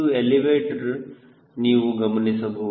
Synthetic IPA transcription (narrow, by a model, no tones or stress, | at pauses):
ueliʋeːʈɖ | niːʋuɡɐmɐnisɐbʱɐ